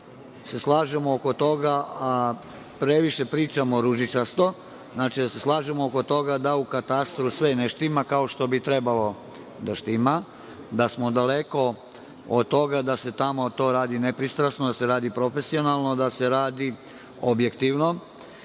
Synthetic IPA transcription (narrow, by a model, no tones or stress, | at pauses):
se̞slˠaːʒemooko̞t̪o̞ɡaa | pɾe̞ʋiʃe̞pɾiːt͡ʃamoɾuʒit͡ʃaɾst̪o̞ | znaːt͡ʃid̪aseslˠaːʒemooko̞t̪o̞ɡad̪aukat̪ast̪ɾusʋeneʃt̪imakao̞ʃt̪o̞bit̪ɾe̞balo̞ | d̪aʃt̪ima | d̪asmo̞d̪aleko̞ | od̪̚t̪o̞ɡad̪ase̞t̪amo̞t̪o̞ːɾaːd̪inepɾist̪ɾasnod̪ase̞ɾaːd̪ipɾo̞fe̞sio̞nalˠno̞d̪ase̞ɾaːd̪i | objekt̪iʋno̞